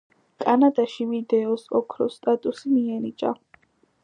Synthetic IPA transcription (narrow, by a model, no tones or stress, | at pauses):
kʼanad̪aʃivid̪ɛɔsɔkʰɾɔ̰st̪ʼat̪ʼusimiɛnit͡ʃʼa̰